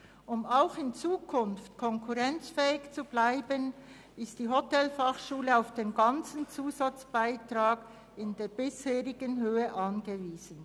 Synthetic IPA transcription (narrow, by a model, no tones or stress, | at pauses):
ʔʊmaʊxɪnt͡suːkʰʊnftkʰɔŋkʰuʁɛnt͡sfɛːɪçt͡sub̥laɪbən | ɪstd̥iːɦotɛlfaχʃuːləaʊfd̥eːnɡɑnt͡sn̩t͡suːzat͡sb̥aɪtʁ̥aːɡ̥ | ɪndeːɾbɪsheːʁɪɡənɦøːəʔɑnɡəviːz̥ən̩